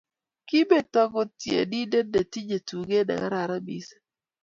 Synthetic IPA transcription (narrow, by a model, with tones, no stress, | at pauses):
ki˦be˦˨tɔ˦kɔ˦tjḛ˨di˦de˦de˨ti˦d͡ʒe˨tu˨ɡe˦da̰˨ɡa̰˦ɾa˨ɾa˦bḭ˨s